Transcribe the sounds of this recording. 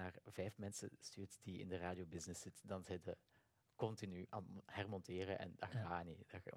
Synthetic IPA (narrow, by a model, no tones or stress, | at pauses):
naːrvɛjfmɛnsə̰styːrtdiɪ̰ndəraːdjobɪznɪsɪtədɑnzɛdə | kɔntinyhɛrmɔntɪːɾəʔɛ̰ndɑxaːnida